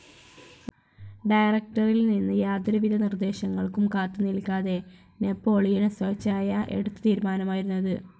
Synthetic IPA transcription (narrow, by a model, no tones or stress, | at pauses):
ɖɐjrɐk̚ʈɐrilninːɨjaːd̪ɾɐʋid̪ʱɐnird̪e̞ːɕɐŋːɐɭkumkaːt̪ːɨniɭkaːðe̞ | ne̞pːo̞ːɭijiɳɨsɐːt͡ɕːaːjɐʔe̞̰ɽut̪ːɨ̥t̪iːɾumaːnɐmaːjiɾunːɐðɨ